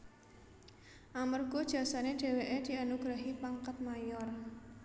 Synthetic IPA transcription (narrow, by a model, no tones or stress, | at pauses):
ʔamərɡ̥od̥ʒ̥a̤saneɖ̥e̤weʔed̪̥i̤anuɡ̥ɾaɦipaŋkat̪̚majɔr